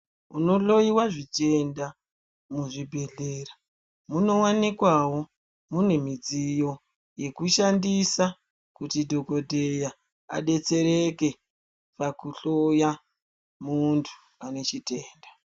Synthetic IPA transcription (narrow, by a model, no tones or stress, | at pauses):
uno̞ɬo̞jiwaʐit͡ʃe̞nda | muʐibʱe̞ɮera | muno̞wanikwawo̞ | mune̞mid͡zijo̞ | je̞kuʃandisa | kutidʱo̞ko̞dʱeja | a̰ɗe̞t͡se̞ɾe̞ke̞ | pakuɬoja | muntʰu̥ | ane̞t͡ʃite̞ːnda